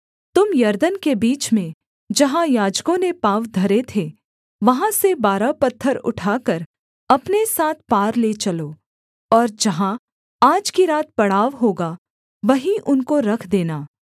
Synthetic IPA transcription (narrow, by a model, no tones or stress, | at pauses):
t̪ʊmjɐɾd̪ənkebiːt͡ʃmẽ | d͡ʒɐɦãjaːd͡ʒkõnepaːʋd̪ʱɐɾet̪ʰe | ʋɐɦãsebaːɾapɐt̪ʰːəɾʊ̰ʈʰaːkɐɾ | ɐpnesaːt̪̚ʰpaːɾlet͡ʃɐloː | ɔːɾd͡ʒɐɦã | aːd͡ʒkiɾaːt̪̚pɐɽaːʋɦoːɡa | ʋɐɦĩʔʊnkoɾɐkʰd̪eːnaː